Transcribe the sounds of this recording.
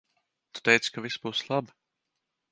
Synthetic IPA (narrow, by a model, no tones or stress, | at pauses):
t̪u̥t̪ɛjt̪skavisbuːslˠab